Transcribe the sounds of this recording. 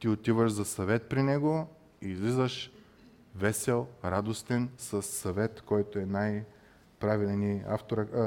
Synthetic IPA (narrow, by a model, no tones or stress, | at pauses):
t̪iot̪ivəʃzɐsɐvɛt̪̚pɾinɛɡo | iːzlizəʃ | vɛsɛlˠɾad̪ost̪ɛnsəsːɐvɛt̪kɔjt̪oɛnaj | pɾavilɛnia̰ft̪oɾə